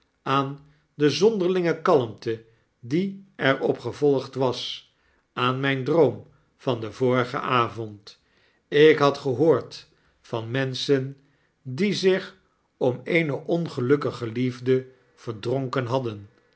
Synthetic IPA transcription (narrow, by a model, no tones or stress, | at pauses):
aːn | dəzɔndəɹlɪŋəkɑləmtə | diɛɹɔpχəvɔlˠχtʋɑs | aːnmɛjndrowm | v̥ɑndəvoːɹəχə̰ʔaːvɔnt | ɪkɦɑtχəɦoːɹt | fɑnmɛnsən | dizɪχ | ɔmejnəʔɔnχəlɵkəχəlivdə | v̥əɹdrɔŋkənɦɑdən